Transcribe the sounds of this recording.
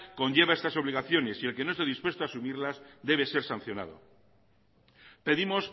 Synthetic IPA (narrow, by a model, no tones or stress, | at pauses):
ko̞ɲʝe̞βae̞st̪aso̞β̞liɣaθjo̞ne̞sie̞lke̞noest̪eðispwe̞st̪oasumiɾlazd̪e̞β̞e̞se̞ɾsan̟θjo̞na̰ð̞o̞̰ | pe̞ðimo̞s